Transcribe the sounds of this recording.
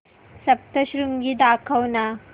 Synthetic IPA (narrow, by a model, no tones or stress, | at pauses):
sɐp̚t̪əɕɾuŋɡid̪akʰɐwna